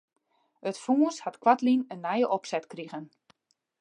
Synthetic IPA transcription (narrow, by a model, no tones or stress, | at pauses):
ətfuːəshatkwatlinənːɛjəʔɔpsɛtkriɣən